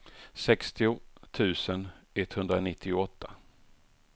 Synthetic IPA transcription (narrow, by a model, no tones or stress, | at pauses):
sɛkst̪ɪʊt̪ʰʉ̟ːsənɛt̪ːhɵnd̪ɾanɪt̪ʰːɪʊɔt̪ʰːa